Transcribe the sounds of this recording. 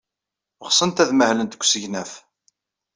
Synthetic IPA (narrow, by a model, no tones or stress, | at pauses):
əʁsˤənt̪æðməhlənt̪ə̥kʷːsəʝnæf